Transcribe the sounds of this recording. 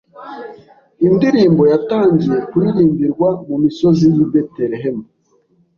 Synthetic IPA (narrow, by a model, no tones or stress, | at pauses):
indiɾiːmbo̞jataːɲɟije̞kuiɾiːmbiɾɡwamumiso̞zijibeteɾeɦemu